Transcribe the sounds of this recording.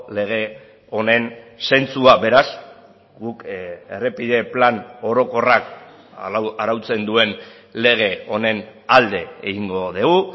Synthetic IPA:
le̞ɣ̞e̞ | o̞ne̞nse̞nt͡suabe̞ɾas | ɡuke̞̰re̞piðe̞plano̞ɾo̞ko̞rak | aɾawt͡se̞nd̪ue̞n | le̞ɣ̞e̞o̞ne̞nald̪e̞eɣiŋɡo̞ðeɣu

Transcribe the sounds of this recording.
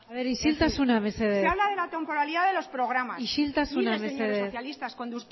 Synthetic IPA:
aβeɾiʃilt̪asunameseðseeaβlaðelat̪empo̞ɾaliðaðelo̞spɾoɣɾamasiʃilt̪asunasmeseðesθjalist̪askond̪u

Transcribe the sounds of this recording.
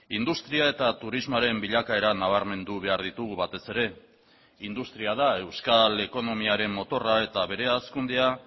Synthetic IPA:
ind̪ust̪ɾiae̞t̪at̪uɾizmoaɾe̞mbiʎakae̞ɾanaβ̞aɾme̞nd̪uβ̞e̞aɾðit̪uɣuβat̪e̞se̞ɾe̞ | ind̪ust̪ɾiaðae̞wskale̞ko̞no̞miaɾe̞mmo̞t̪o̞rae̞t̪aβe̞ɾe̞askund̪ea

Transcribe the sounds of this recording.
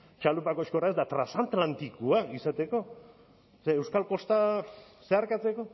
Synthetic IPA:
t͡ʃalupakoʃko̞raezd̪at̪ɾasant̪lant̪ikuaisat̪e̞ko̞ | seːwskalko̞st̪a | se̞aɾkat͡se̞ko̞

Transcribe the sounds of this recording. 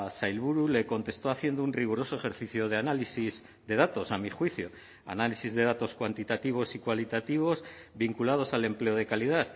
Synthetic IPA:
sajlβuɾule̞ko̞nt̪e̞st̪o̞aθje̞nd̪ounriɣ̞uɾo̞so̞e̞xe̞ɾθiθjoð̞e̞analisiz | d̪e̞ðat̪o̞samixwiθjo̞ | a̰nalisizðe̞ð̞at̪o̞skwant̪it̪at̪iβ̞o̞sikwalit̪at̪iβ̞o̞zβiŋkulað̞o̞sale̞mple̞o̞ð̞e̞kalið̞aθ

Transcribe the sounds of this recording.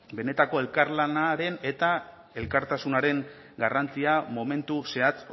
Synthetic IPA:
be̞ne̞t̪ako̞e̞lkaɾlanaɾe̞ne̞t̪a | e̞lkaɾt̪asunaɾe̞ŋ | ɡarant͡siamo̞me̞nt̪use̞at͡s

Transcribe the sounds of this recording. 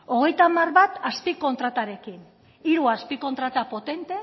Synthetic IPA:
o̞ɣ̞e̞jt̪amarβat̪aspiko̞nt̪ɾat̪aɾe̞kin | iɾuaspiko̞nt̪ɾat̪apo̞t̪e̞nt̪e̞

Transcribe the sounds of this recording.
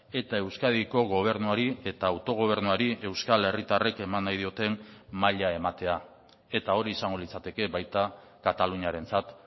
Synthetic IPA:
e̞t̪ae̞wskaðiko̞ɣo̞β̞e̞ɾnuaɾie̞t̪aːwt̪o̞ɣ̞o̞β̞e̞ɾnuaɾie̞wskale̞rit̪are̞ke̞manːajð̞io̞t̪e̞nmaʎae̞mat̪e̞a | e̞t̪ao̞ɾiːsaŋɡo̞lit͡sat̪e̞ke̞βajt̪a | kat̪aluɲaɾe̞nt͡sat̪

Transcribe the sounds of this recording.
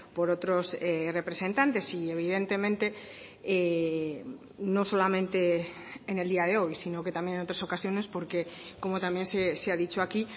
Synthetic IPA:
poɾot̪ɾoserepɾesẽnt̪ant̪esieβ̞ið̞ent̪emẽnt̪e | e | nõsolamẽnt̪eː | neld̪iaðeojsinoket̪amjenenot̪ɾasokasjonespoɾkekomot̪amjenseseaðit͡ʃoaki

